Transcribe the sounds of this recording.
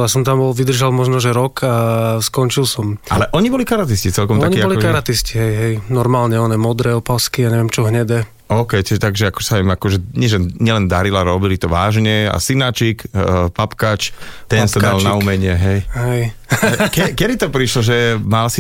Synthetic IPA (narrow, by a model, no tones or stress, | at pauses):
jasɔmt̪ambɔlʋid̪r̩ʒalmɔʒnɔʒɛɾɔkʰaskɔnt͡ʃilsɔmʔa̰lɛʔɔɲibɔlikaɾat̪̬iscit͡sɛlkɔmaɲkiːbɔliɔkaɾat̪isciɦɛjɦɛjnɔɾmaːlɲɛɔnɛmɔd̪ɾɛɔpaskijaːɲɛʋɛmt͡ʃɔɦɲɛd̪ɛ | ɔʊkɛjtɛt̪aɡʒɛakɔ̥saimakɔʒɛɲɪɛʒɛɲɛlɛnd̪aɾilaɾɔbilit̪ɔʋaːʒɲɛa̰sinat͡ʃikpapkat͡ʃt̪ɛnst̪ɛd̪alnaumɛɲɪɛɦɛjɦɛjkɛkɛd̪it̪ɔpɾiʃlɔʒɛmalsi